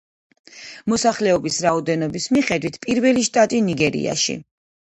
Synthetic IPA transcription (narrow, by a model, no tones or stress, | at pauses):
mɔsaχlɛɔbisɾaɔd̪ɛnɔbismiχɛd̪wit̪ʰpʼiɾvɛliʃt̪ʼat̪ʼiniɡɛɾḭa̰ʃḭ